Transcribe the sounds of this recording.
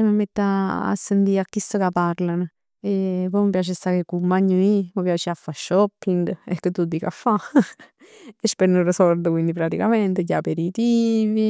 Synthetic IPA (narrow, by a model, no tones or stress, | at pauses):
eməmːet̪ːaa̰sːend̪iakːisokapaɾlanə | epoməpjaːt͡ʃest̪akekumːaɲuiməpjaːt͡ʃeafːaʃːɔpːiŋɡḛkːət̪ːud̪ikafa | espeɾnuɾesoɾd̪okwind̪ipɾat̪ikament̪ejapeɾit̪iːvi